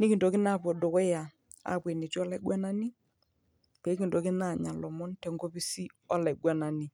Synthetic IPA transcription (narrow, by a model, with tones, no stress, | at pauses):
nɪ˦kɪ˨ndɔ˨kɪ˦na˦˨pɔ˨do˨kɔ˦ja˨ | a̰˨pwe˨ne˨ti˦ɔ˦la˨ɪ˦ɡwa˦na˦ni˦ | pɛ˨˦kɪ˨ndɔ˨kɪ˦na˦˨ɲa˨lɔ˨mɔ˦ntɛ˨ŋɡo˦pɪ˦si˦ɔ˦la˨ɡwa˦na˨ni˦˨